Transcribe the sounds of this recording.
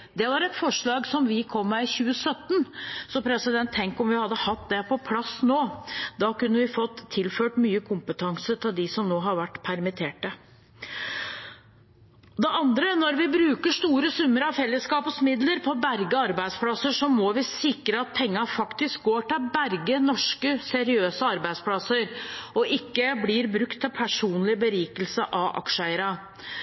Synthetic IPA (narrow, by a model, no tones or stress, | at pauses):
d̪ɛʋɑɾɛt̪fɔʂɭɑːɡsɔmʋɪkʰɔmːɛɪçʉːəsœt̪ːnsɔpʰɾɛsɪd̪ɛnt̪ʰːɛŋkɔmʋɪhɑd̪ːəhɑt̪ːd̪ɛpʰɔpʰlɑsːnoːd̪ɑkʉnːəʋɪfɔt̪ːʰɪlføːʈmyːəkʰʊmpət̪ʰɑŋsət̪ʰɪld̪ɪsɔmnoːɦɑɾʋæʈːpʰæɾmɪt̪ʰeːʈə | d̪ɛʔɑnd̪ɾənɔɾʋɪbɾʉːkəʂt̪uːɾəsʉmːəɾɑʋfɛlːəskɑːpəsmɪd̪ləɾpʰɔbæɾɡəɑɾbæɪd̪spʰlɑsəʂɔmɔʋɪsɪkɾəɑt̪̚pʰɛŋːɑfɑkt̪ɪsk̚ɡoːʈɪlbæɾɡənɔʂkəsɛɾɪøːsəɑɾbæɪspʰlɑsəɾɔʔɪkːəbliɾbɾʉkt̪ʰːɪlpʰæʂuːnlɪbəɾiːkəlsəʔɑʋʔɑ̰kʂəæɪəɾɑ